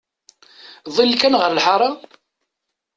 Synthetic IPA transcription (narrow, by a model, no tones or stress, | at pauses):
ðˤilːkænʁəɾlħɑɾˤɑ